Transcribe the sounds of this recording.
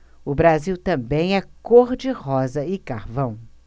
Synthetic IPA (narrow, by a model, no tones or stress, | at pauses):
ʊbɾaziwt̪ɐ̃mbẽj̃ɛkoɾd͡ʒɪhɔzɐɪkaɾvɐ̃w̃